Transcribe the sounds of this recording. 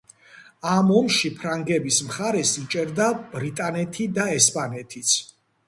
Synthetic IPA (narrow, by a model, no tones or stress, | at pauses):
amɔmʃipʰɾaŋɡɛbismχaɾɛsit͡ʃʼɛɾd̪ab̥ɾit̪ʼanɛt̪ʰid̪aɛspʼanɛt̪ʰit̪sʰ